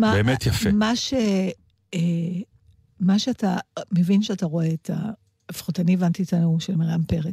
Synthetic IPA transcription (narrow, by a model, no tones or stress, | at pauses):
mabeːmet̪jafemaʃe | e | maʃeatamevinʃeataʁo̞eːtʰa̰ː | fi̥χotanievant̪iːtanuʃelmeʁampeʁe